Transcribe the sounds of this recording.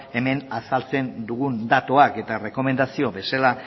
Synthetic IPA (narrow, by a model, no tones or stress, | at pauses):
e̞me̞nasalt͡se̞nd̪uɣund̪at̪oake̞t̪are̞ko̞me̞nd̪asio̞βe̞sala